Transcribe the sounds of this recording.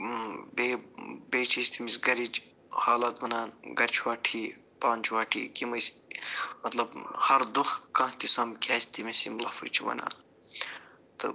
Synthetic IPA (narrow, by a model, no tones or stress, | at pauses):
bebeːt͡ʃʰisʲt̪imisɡɐɾid͡ʒ | haːlɐt̪ʋɐnaːnɡɐɾt͡ʃʰwaːʈʰiː | paːnt͡ʃʰʋaːʈʰḭːkimɐs | mɐt̪lɐbhɐɾd̪uxkãːt̪isɐmkʰʲaːsʲt̪imisimlɐ̰fɨ̰t͡ʃʰiʋɐ̰na̰ːn | t̪ɨ̰